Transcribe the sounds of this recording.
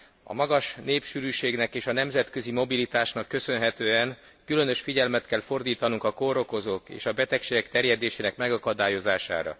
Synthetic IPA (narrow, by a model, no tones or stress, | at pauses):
ɒ̰mɒɡɒʃneːpʃyɾyːʃeːɡnɛkeːʃɒnɛmzɛt̪kø̞zimo̞bilit̪aːʃnɒkːø̞sø̞nɦɛt̪øːɛn | kylø̞nø̞ʃfiɟɛlmɛt̪kɛlfo̞rd̪iːt̪ɒnuŋkɒkoɾo̞ko̞zoːkḛːʃɒbɛt̪ɛkʃeːɡɛkt̪ɛrjɛd̪eːʃeːnɛkmɛɡɒkɒd̪aːjo̞zaːʃa̰ːɾɒ̰